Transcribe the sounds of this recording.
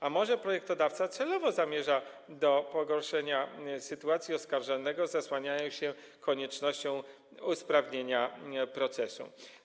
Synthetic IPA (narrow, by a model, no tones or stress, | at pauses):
amɔʐɛpɾɔjɛk̚t̪ɔd̪aft̪sat̪sɛlɔvɔzamʲjɛʐa | d̪ɔpɔɡɔɾʂɛɲasɘt̪uat̪sʲjiɔskaɾʐalnɛɡɔzaswaɲajɔ̃w̃ɕɛ | kɔɲɛt͡ʂnɔɕt͡ɕɔ̃w̃ | uspɾavɲeɲapɾɔt̪sɛsṵ